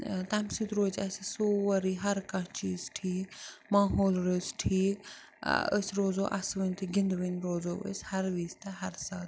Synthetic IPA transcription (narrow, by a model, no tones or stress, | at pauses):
t̪amsit̪ɾoːd͡ʒɐsisoːʋɐɾiːɦɐɾkãt͡ʃiːzʈʰiːkmaːɦoːlɾɨːsʈʰiːk | ə̰sɾoːzoːʔɐ̰sʋənʲt̪ɨɡind̪ʋənɾoːzoːʋə̰shɐɾʋiːst̪ɐɦɐɾsaːt̪